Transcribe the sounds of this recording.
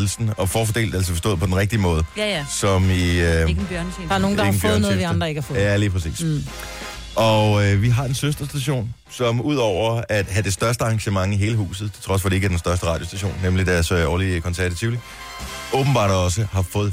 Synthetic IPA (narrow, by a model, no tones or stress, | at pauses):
l̩sn̩ɒ̽fɒːfɒde̝̰ːld̥ælsɒfɒ̽sd̥ɔ̽ːð̩ˠpʰɒ̽denʁeɡ̥̚d̥iəmɔ̽ːð̞ˠjsɒ̽miɡ̩bjœɐnse̥noːŋne̥n̩fjøɐðnˠɔːeiɑnd̥ʁɐeɡ̥hafɔæliːpʰʁɐsḭːs | ʔɒ̽ʋiɦɑ̈e̝nsøsd̥ɐsd̥æɕo̝̰ːn | sɒ̽muð̞̰ˠɒʊ̰ɐæd̥ɦæd̥e̝sd̥ɶɐsd̥əɑ̈ŋɕəmɑ̈ŋiɦe̝ːləɦṵːs̬ð̩ˠt͡sʰe̝lt͡sʰʁɒ̽sfɒd̥e̝eɡəɐd̥ensd̥ɶɐsd̥əʁɑ̈ːd̥josd̥æɕo̝̰ːnːemlid̥æɐsɒːlikʰɒ̽nsæɐæt͡sʰiʊli | ʔɔ̽ːb̥n̩bɑ̰̈ːd̥ɒ̽səhɑ̈fɔ̽ːð̩ˠ